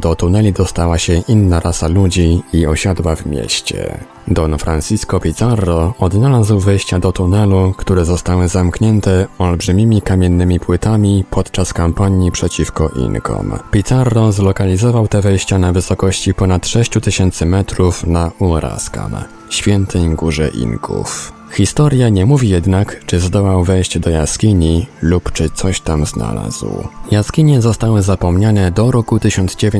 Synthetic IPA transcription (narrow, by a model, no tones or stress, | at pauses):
d̪ɔt̪unɛlʲid̪ɔst̪awaɕɛʔinːaɾasalud͡ʑiːɔɕad̪wavmʲjḛɕt͡ɕɛ̰ | d̪ɔnfɾansʲiskɔpʲit̪sarːɔɔd̪nalazwvɘjɕt͡ɕad̪ɔt̪unɛlukt̪uɾɛzɔst̪awɘzamkɲɛnt̪ɛɔlbʐɘmʲimʲikamʲjɛnːɘmʲipwɘt̪amʲipʰɔt̪t͡ʂaskampaɲjipʂɛt͡ɕifkɔʔḭnkʰɔ̰mpʲit̪saɾːɔzlɔkalʲizɔvawt̪ɛvɛjɕt͡ɕanavɘsɔkɔɕt͡ɕipɔnat̪ʂɛɕt͡ɕut̪ɘɕɛnt̪sɘmɛt̪ɾufnaʔuɾa̰ska̰m | ɕfʲjɛnt̪ʰɛjɡuʐɛ̰ʔḭnkʰṵf | xʲist̪ɔɾjaɲɛmuvʲijɛd̪nakt͡ʂɘzd̪ɔwawvɛjɕd͡ʑd̪ɔja̰skʲiɲilupt͡ʂɘt̪sɔɕt̪amzna̰la̰z̥wjaskʲiɲɛzɔst̪awɘzapɔmɲanɛd̪ɔɾɔkut̪ɘɕɔnd̪zd͡ʑevʲe